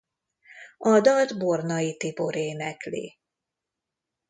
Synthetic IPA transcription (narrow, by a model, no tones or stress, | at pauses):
ɒd̪ɒld̪bornɒjit̪iboɾeːnɛklḭ